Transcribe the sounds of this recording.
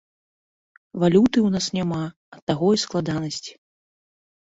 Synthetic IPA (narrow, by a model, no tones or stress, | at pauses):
valʲut̪ɨwnasnʲama | ɐt̪ːaɣɔjsklˠad̪anɐsʲt͡sʲi̥